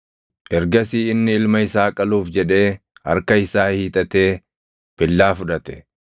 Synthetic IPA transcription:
ʔɛɾɡɐsiːɪnːɪɪlmɐɪsaːkʼɐluːfd͡ʒɛᶑe̞ːhɐ̰ɾkɐɪsaːhiːt̪ʼɐt̪e̞ː | pɪlːaːfʊᶑɐt̪ɛ̥

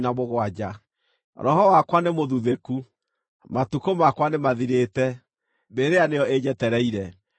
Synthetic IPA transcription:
namoɣwad͡ʑa | ɾɔhɔwakwanemoðuðeku | matukomakwanemaðiɾetɛ | beɾeaneɔed͡ʑɛtɛɾɛiɾɛ

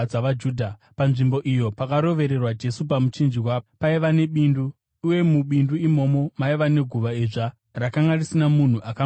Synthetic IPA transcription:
aʋad͡ʒuːdʱa | panʐimbo̞ʔijo̞pakaɾo̞ʋe̞ɾe̞rwad͡ʒe̞supamut͡ʃind͡ʒiwaːopaiʋane̞ɓinduː | je̞muɓinduimo̞mo̞maiʋane̞ɡʱuʋaiʐa | rakaŋɡarisinamun̤uʔaka

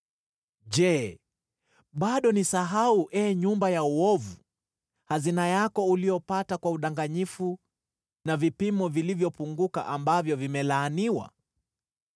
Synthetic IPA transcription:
ʄɛ | ɓaɗɔnisaɦauʔɛɲumbajauɔvu | hazinajakɔulijɔpatakwauɗaŋɡaɲifu | navipimɔvilivjɔpuŋɡuka̰ʔambavjɔvimɛlaːniwa̰

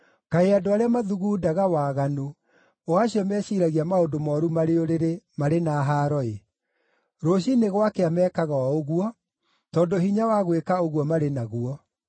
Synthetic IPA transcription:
kaeadoaɾeamaðuɣuːdaɣawaɣano | waɕiɔmɛɕiːɾaɣiamaondomɔːɾumaɾeoɾeɾemaɾenaɦaːɾɔe | ɾoɕineɣwakeamɛːkaɣaɔoɣuɔ | tɔːndoɦiɲawaɣwekaoɣwɔmaɾenaɣuɔ

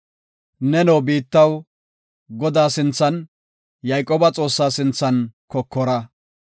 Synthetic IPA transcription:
nɛnɔwbiːt̪ːɐw | ɡɔd̪aːsɪnt͡sːɐn | jɐjkʼoːbɐt͡sʼo̞ːsːaːsɪnt͡sːɐnkɔkːɔɾɐ

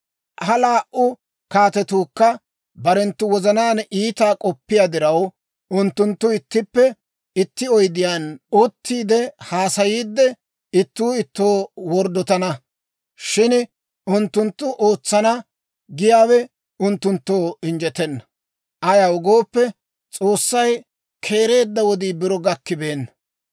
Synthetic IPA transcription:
hɐlaːʔʔʊ | kaːt̪ɛt̪uːkːɐ | bɐɾɛnt̪ːʊwɔzɐnaːniːt̪aːkʼɔpːɪjad̪ɪɾɐw | ʊnt̪ːʊnt̪ːʊɪt̪ːɪpːɛ | ɪt̪ːɪɔjd̪ɪjanɔt̪ːiːd̪ɛhaːsɐjiːd̪ːɛ | ɪt̪ːuːɪt̪ːoːwɔɾd̪ɔt̪ɐnɐ | ʃɪn | ʊnt̪ːʊnt̪ːʊʔo̞ːt͡sːɐnɐ | ɡɪjaːwɛ | ʊnt̪ːʊnt̪ːoːɪnd͡ʒɛt̪ɛnːɐ | ʔɐjɐwʊɡo̞ːpːɛ | t͡sʼo̞ːsːɐj | kʰe̞ːɾe̞ːd̪ːɐwɔd̪iːbɪɾɔɡɐkːɪbe̞ːnːɐ

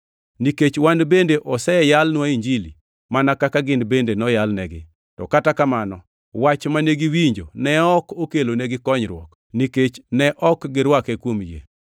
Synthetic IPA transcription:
niket͡ʃwandbendeʔɔsɛjalnwaiɲd͡ʒilḭ | manakakaɡɪnbendenɔjalnɛɡɪ̰ | tɔ̰katakamanɔ | wat͡ʃmaneɡiwiɲd͡ʒo̰nɛɔkokeloneɡɪkɔɲɾwɔ̰k | niket͡ʃnɛʔɔkɡɪɾwakekwomjḛ

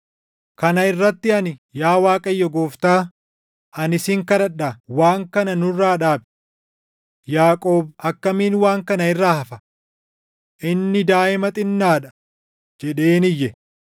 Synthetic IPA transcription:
kɐnɐɪrːɐt̪ːɪɐnɪjaːwaːkʼɐjːɔɡoːft̪aː | ʔɐnɪsɪŋkɐɾɐɗːawaːŋkɐnɐnʊrːaːᶑaːb̚ | jaːkʼo̞ːbɐkːɐmiːnwaːŋkɐnɐɪrːaːhɐfɐ̥ | ʔɪnːɪd̪aːʔɪmɐt̪ʼɪnːaːᶑɐ̥ | d͡ʒɛᶑeːnɪjːɛ

